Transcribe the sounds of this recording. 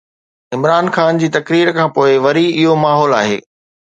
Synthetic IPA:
ɪmɾaːnxaːnd͡ʑiːt̪ɐkɾiːɾkʰãːpoːɪʋɐɾiɪɦomaːɦɔːla̰ːɦḛː

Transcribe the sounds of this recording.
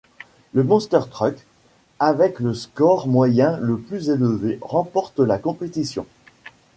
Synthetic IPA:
ləmɔ̃st̪œʁt̪χœk | avɛkləskɔʁmwajɛ̃ləplyzeləveʁɑ̃pɔʁt̪lakɔ̃pet̪isjɔ̰̃

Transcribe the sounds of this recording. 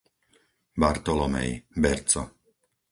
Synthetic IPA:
baɾt̪ɔlɔmɛ̰jbɛɾt͡sɔ̰

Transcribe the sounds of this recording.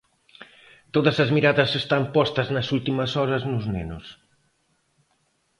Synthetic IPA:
t̪oðɐsɐzmiɾaðɐsest̪ampɔst̪ɐznɐsult̪imɐsɔɾɐznʊznenʊs

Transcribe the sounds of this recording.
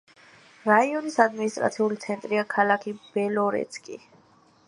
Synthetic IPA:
ɾaiɔnisad̪minist̪ʼɾa̰t̪sʰiulit̪sʰɛnt̪ʼɾiakʰalakʰib̥ɛlɔɾɛ̰t̪sʰkʼḭ

